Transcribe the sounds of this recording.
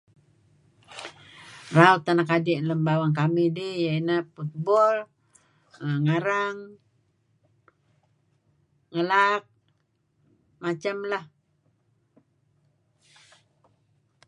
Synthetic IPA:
raut̪ːanakadiʔnləmbawaŋkamidijainahput̪̚bɔl | əŋaɾaŋ | ŋəlak̚ | mat͡ʃamlah

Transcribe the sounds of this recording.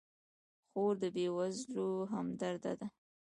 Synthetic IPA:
xoɾd̪əbewazloɦamd̪aɾd̪a̰d̪a

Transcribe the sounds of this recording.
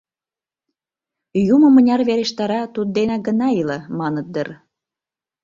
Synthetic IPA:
jumə̆mə̆nʲɑrβeɾeʃt̪ɑɾɑt̪ud̪̚d̪enɑɡə̆nɑilə̆mɑnət̪̚d̪ər

